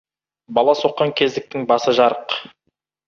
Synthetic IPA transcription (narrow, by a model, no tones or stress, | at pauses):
bɑlˠɑso̞qːɑŋkʲʰe̞zd̪ɪk̚t̪ɪŋbɑsəʒɑɾəq